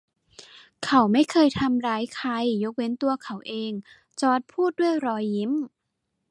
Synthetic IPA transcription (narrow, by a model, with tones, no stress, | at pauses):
kʰa˨˩˦wma˥˩jkʰɤː˧jt̪ʰa˧mɾaː˦˥jkʰa˧jːo˦˥k̚we˧˥nt̪u˧ɐkʰa˨˩˦wʔeː˧ŋ | t͡ɕɔː˧˥t̪̚pʰuː˥˩t̪̚du˥˩əjɾɔː˧jːi˦˥m